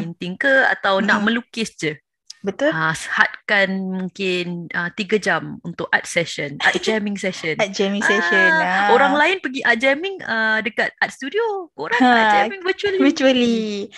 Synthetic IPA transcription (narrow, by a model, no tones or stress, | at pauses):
int̪ɪŋkəa̰t̪awnaʔmə̃lukɪsd͡ʒə | bət̪ʊləsəha̰t̪̚kanmũŋkɪnət̪iɡad͡ʒamunt̪ʊk̚at̪̚sɛʃəna̰t̪̚d͡ʒɛmɪ̃ŋsɛʃənat̪̚d͡ʒɛmĩŋsɛʃənoɾaŋlaɪnpəɡiʔat̪̚d͡ʒɛmɪŋədəkat̪̚at̪̚st̪udiokoɾaŋad͡ʒɛmiŋvət͡ʃuəlivit͡ʃuəli